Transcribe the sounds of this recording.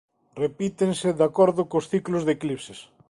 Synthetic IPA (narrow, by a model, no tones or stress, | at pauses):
repit̪eŋsɪðakɔɾðʊkosθiklozðeklipses